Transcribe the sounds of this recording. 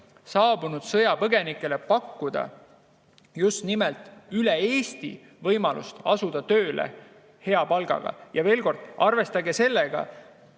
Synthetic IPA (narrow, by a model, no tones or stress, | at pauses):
sɑːb̥unud̪̥sɤ̞jɑpɤɡe̞nikˑːe̞le̞pɑkːud̪̥ɑ̰ | just̪nimelt̪ˑyleeːst̪ḭ | vɤjmɑlṵst̪ɑsud̪̥ɑt̪ø̞ːlḛ | he̞ɑpɑlɡ̥ɑ̰ɡ̥ɑ̰jɑve̞ːlko̞rd̪̥ɑrve̞st̪ɑɡe̞se̞lːeɡ̥ɑ̰